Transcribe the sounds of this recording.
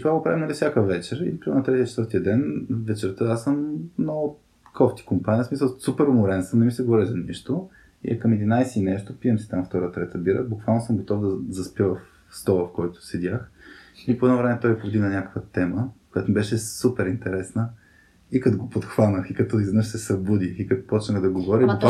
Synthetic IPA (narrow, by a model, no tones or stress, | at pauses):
t̪ovaɡopɾavimnɐlifsʲjakəvɛt͡ʃɛɾḭk̪nɐt̪ɾɛt̪iət͡ʃɛt̪vəɾt̪iəd̪ɛnvɛt͡ʃɛɾt̪əasəmnɔʊ | kʰɔft̪i̥kompanʲiəsmisəlˠsupɛɾʊmʊɾɛnsəmnɛmisɛɡvɔɾɛzɐniʃt̪o | ḭɐkəmɛd̪inajsiːnɛʃt̪opiəmsi̥t̪amft̪ɔɾət̪ɾɛt̪əbiɾə̰bukvalˠnosəmɡot̪ɔvd̪ɐzɐspʲjəvɐf | st̪ɔlˠɐfkɔjt̪ʊ̥sɛd̪ʲaxipoɛd̪novɾɛmɛt̪ɔjɛpobd̪inɐnʲakə̥kvət̪ɛməkojat̪omɛbɛʃɛsupɛɾint̪ɛɾɛsnə | ikɐt̪oɡopot̪xvanəxikɐt̪ɔizvɛnɤʃsɛsɐbud̪ixikɐt̪ɔ̥pɔt͡ʃnəxd̪ɐɡovɔɾibukv